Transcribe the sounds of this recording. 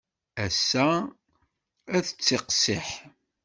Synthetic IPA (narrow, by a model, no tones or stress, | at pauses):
æsːæ | æθət͡sːɪqsɪħ